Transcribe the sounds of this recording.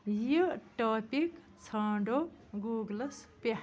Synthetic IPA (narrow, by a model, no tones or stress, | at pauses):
jiʈoːpik | t͡sʰaːɳɖoɡuːɡlɐspe